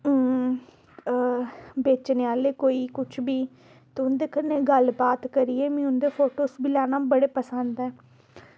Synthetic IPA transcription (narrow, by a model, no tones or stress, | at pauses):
beːt͡ʃneːaːleːkoːiːkʊt͡ʃʰbiː | t̪eʊnd̪eːkəɾneːɡəlbaːt̪kəɾiːɛːmĩːʊnd̪eːpʰoːʈoːsbiːlɛːnãːbəɽeːpəsə̃nd̪ɛː